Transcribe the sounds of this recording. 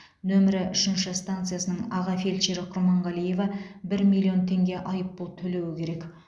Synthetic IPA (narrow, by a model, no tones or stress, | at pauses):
nɵmɪɾɪʔʏʃɪnʃɪst̪ant̪sɨjasənəɴɑʁɑfelʲt͡ʃeɾɪqʰʊɾmɑɴʁɑlˠije̞vɑbɪɾmʲilˠːio̞nt̪ʰe̞ŋɡʲe̞ʔɑjəpbolˠt̪ʰɵle̞wɪkʲʰe̞ɾe̞k